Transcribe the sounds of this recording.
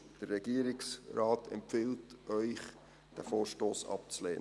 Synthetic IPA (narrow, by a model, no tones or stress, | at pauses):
d̥ərːɛɡ̥iəɾɪksrɑːtʰɛ̰mpfɪltœʏχ | d̥æfoːɾʃtoːsɑ̰p̚t͡sleː